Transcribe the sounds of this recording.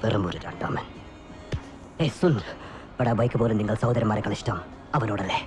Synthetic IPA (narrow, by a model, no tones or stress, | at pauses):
perɐmuɾuɾa̰ːɳɖa̰mɐn | esul | ʋɐɽaːʋɐjkːɨpoːleniŋːɐɭsɐwd̪ɐɾɐmːaːɾekːɐɭiʂtɐm | ɐʋɐnoːɽɐlːe